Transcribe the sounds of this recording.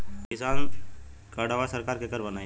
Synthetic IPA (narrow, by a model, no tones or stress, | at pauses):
kkɪsaːnkəɽaʋasəɾkaːɾkekəɾbɐnaːĩ